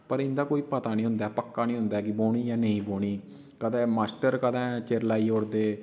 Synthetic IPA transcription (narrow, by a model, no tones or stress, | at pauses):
pəɾɪ̃nd̪aːkoːiːpət̪aːnĩɦʊ̃nd̪aːɛpəkːaːnĩːɦʊ̃nd̪aɛkɪboːɽiːjaːnəĩːboːɽ̃iː | kəd̪ɛ̃ːmaːsʈəɾkəd̪ɛ̃ːt͡ʃeɾlaːiːɦoːɾd̪eː